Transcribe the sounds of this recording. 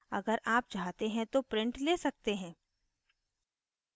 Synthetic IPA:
ɐɡəɾʔaːp̚t͡ʃaːɦt̪eɦɛ̃t̪opɾɪ̃ɳʈleːsɐk̚t̪eɦɛ̃ː

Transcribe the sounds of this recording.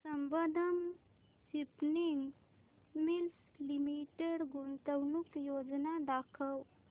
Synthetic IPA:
səmbəd̪ʱəm | sipniŋɡ | mils | limiʈeɽɡunt̪əwnukjod͡ʒnad̪akʰəw

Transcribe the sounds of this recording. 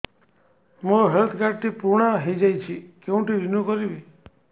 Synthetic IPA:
moɦelt̪ʰkaɖ̚t̪ʰipuɾɳ̃aɦejd͡ʒajt͡ʃʰikeũʈiʋinukɔɾibi

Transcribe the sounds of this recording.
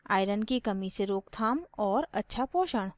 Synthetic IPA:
a̰ːɪɾənkikɐmiseɾoːkt̪ʰaːmɔːɾɐtːʃʰapoːʃəɽ̃

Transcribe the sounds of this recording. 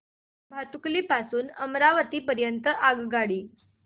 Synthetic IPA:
bʱat̪ukliːpasuːnəmɾaʋət̪iːpəɾjənt̪əʔaɡɡaɽiː

